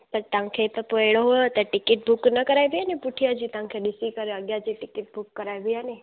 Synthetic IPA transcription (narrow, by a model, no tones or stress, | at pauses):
t̪əɾt̪ãŋkʰet̪əpoeɽoɦot̪əʈɪkɪʈ̚bʱuknəkəɾajʋjanepuʈʰijad͡ʒit̪ãŋkʰed̪isikəɾeəɡjad͡ʒiʈɪkɪʈ̚bʱukːəɾajʋəjane